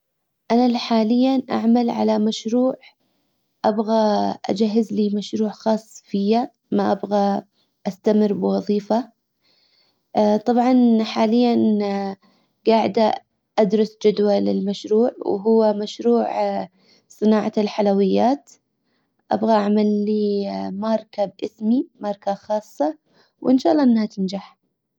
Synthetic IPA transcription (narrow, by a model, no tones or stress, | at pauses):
ʔanalħaːlɪjːanʔa̰ʕmalʕa̰lamaʃɾuːʕ | ʔabɣaʔa̰d͡ʒaɦːɪzliːmaʃɾuːʕxɑːsˤːfɪja | maʔabɣa | ʔast̪amɪrbɪwɑðˤiːfa | t̪ˤɑbʕɑnħaːlɪjːan | ɡaːʕd̪a | ʔad̪ɾˤɑsd͡ʒad̪walɪ̰lmaʃɾuːʕw̰ɦʊwːamaʃɾuːʕ | sˤɨnaːʕalħalawɪjːaːt̪ | ʔa̰bɣaʔaʕmalːimɑɾˤkabʔɪsmimɑɾˤkaxɑːsˤːɑ | wʔɪnʃaːlˤːɑʔɪnːhat̪ɪnd͡ʒaħ